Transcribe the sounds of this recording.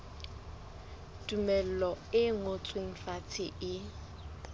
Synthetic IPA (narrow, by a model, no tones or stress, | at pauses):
tʼumɛl̩lɔɪŋot͡sʼweŋ̩fat͡sʰɪʔɪ